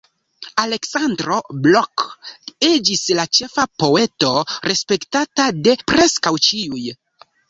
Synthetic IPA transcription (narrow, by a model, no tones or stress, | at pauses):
ale̞ksandɾo̞blok | ed͡ʒislat͡ʃe̞fapo̞e̞to̞ɾe̞spe̞ktatade̞pɾʔe̞skawt͡ʃiuj